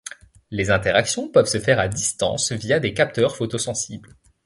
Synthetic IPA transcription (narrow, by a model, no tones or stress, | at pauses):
lezɛ̃t̪eʁaksjɔ̃pœvsəfɛʁad̪ist̪ɑ̰̃svijad̪ekʲap̚t̪œʁfot̪osɑ̃sibl